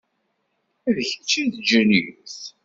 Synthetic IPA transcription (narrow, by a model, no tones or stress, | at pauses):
æðəçət͡sːiðd͡ʒəniθ